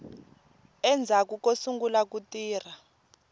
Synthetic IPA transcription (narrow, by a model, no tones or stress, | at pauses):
ɛnd͡zʱak̬ukosuŋɡulak̬utʼiːr̤a